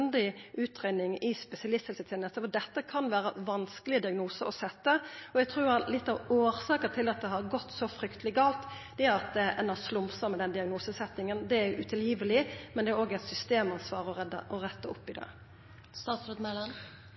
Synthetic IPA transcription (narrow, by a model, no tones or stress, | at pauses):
nd̪ɪʔʉːt̪ɾeːd̪ɪŋɪspɛsɪɑlɪst̪ɪsɪt̪ʰɛːnəst̪əfɔd̪ɛt̪ːəkʰɑnʋæːɾəʋɑnskəlɪəd̪ɪɑɡnuːsəɔsɛt̪ːəɔɛɡt̪ʰɾuːɾæɾlɪt̪ːɑʋoːɾsɑːkət̪ʰɪlɑt̪̚d̪ɛɦɑɾɡɔt̪ːsɔfɾʏkt̪ʰəlɪɡɑːlt̪ | d̪̥ɛæɾɑt̪̚d̪ɛʔɛnɑslʊmsəmɛd̪ɛnd̪ɪɑɡnuːsəsɛt̪ːɪŋənd̪ɛæɾʉt̪ʰɪljiːʋəlɪmɛnd̪ɛæɾoːɡɛɪt̪sʏst̪eːmɑnsʋɑːɾəɔʁɛd̪ə̰ʔɔɾɛt̪ːəʊpːɪd̪ɑ̰ | st̪ɑːt̪sɾət̪mɛlən